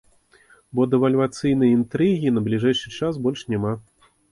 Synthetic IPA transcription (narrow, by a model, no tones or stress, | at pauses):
bɔd̪ɛvɐlʲvat̪sɨjn̪ɐjint̪ɾɨɣʲinɐblʲiʐɛjʂɨt͡ʂasbɔlʲʂnʲama